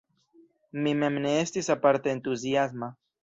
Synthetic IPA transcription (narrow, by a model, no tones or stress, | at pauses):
mimemneest̪isapaɾt̪eːnt̪us̬jazma